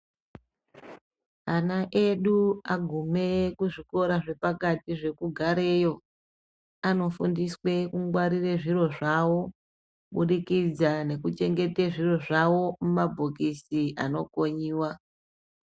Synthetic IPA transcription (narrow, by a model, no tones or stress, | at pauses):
anaʔe̞ɗuaɡʱume̞kuʐiko̞ɾaʐe̞pakatiʐe̞kuɡʱaɾe̞jo̞ | ano̞fundiswe̞kuŋɡwaɾireʐiro̞ʐawo̞ | ɓuɗikid͡zane̞kut͡ʃe̞ŋɡe̞teʐiro̞ʐawo̞mumabʱokisiʔano̞ko̞ɲiːwa